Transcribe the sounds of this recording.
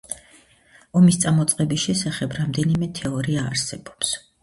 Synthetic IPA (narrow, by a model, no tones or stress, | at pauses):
ɔmist̪sʼamɔt̪sʼqʼɛbiʃɛsaχɛbɾamd̪ɛnimɛt̪ʰɛɔɾiaːɾsɛbɔps